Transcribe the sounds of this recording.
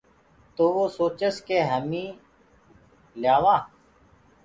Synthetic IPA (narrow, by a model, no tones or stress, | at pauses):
t̪oːʋoːsoːt͡ʃəskeːɦəmĩː | ljaːʋãː